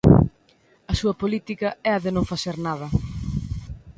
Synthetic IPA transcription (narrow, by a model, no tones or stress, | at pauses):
ɐsuɐpolit̪ikɐɛɐðenõŋfaθeɾnað̞ɐ